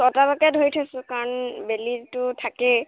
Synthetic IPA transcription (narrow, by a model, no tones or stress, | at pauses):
tɔtabakɛdʱojtʰasʊ̃kaɹɔnbelitʊtʰakɛ